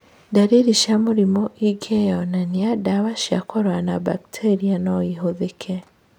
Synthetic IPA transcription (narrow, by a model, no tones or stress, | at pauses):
daɾiɾiʃamuɾimɔʔiɡejɔnaniadawaʃiakɔɾwanaba̰ktʰeɾianɔiɦoðekʰe